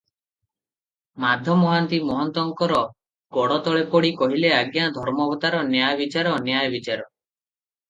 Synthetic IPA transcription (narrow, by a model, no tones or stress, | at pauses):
mad̪ʱjɔmɔɦant̪imɔɦɔnt̪ɔŋkɔɾɔ | ɡɔɽɔt̪ɔɭepɔɽikɔɦileaɡjad̪ʱɔɾmɔbɔt̪aɾɔnjajɔbit͡ʃaɾɔnjajɔbit͡ʃaɾɔ